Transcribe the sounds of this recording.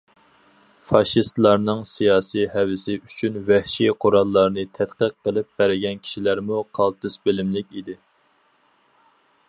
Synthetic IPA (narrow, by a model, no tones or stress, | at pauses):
fɑʃist̪lˠɑɾnɨŋsijɑːsijhæwɪsɪyt͡ʃʰynvɛhʃiqʰoɾɑlˠːɑɾnɨt̪ʰɛt̪qəqːəlˠɪp̚bæɾɪɡʲɛnkʲʰi̥ʃilæɾmuqʰɑlˠt̪ʰɨsbɪlɪmlɪkʲid̪ɪ